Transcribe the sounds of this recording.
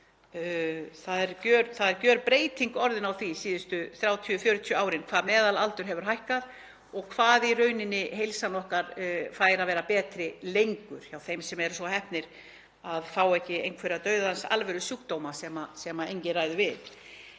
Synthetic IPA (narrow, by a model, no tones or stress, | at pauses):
θaðɛɾcœːɾθaðɛɾcœːɾpɾeːjt̪iŋkɔɾðɪnawθvisiːðʏst̪ʏθɾjaːwt̪ʰiʏfjœːɾʏt̪ʰiʏaːwɾɪnkʰv̥aːðmɛːðalalt̪ʏɾ̥ɦɛvʏɾ̥ɦajhkað | ɔɣkʰv̥aːðirœːɥnɪnːɪɦejlsanɔhkaɾfaːjɾaðvɛːɾapɛːt̪ɾɪlejŋkʏɾ̥çawθejmsɛmɛɾsɔɦɛhpnɪɾ̥ | aðfaːwɛhcɪejnkʰvɛɾat̪œɥðaansa̰lvɛɾʏsuːkt̪owmasɛmasɛmaejɲcɪraːjðʏvɪð